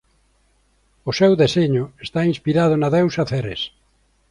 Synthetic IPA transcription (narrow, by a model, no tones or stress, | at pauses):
ʊsewðeseɲʊest̪ainspiɾað̞ʊnaðewsaθeɾḛs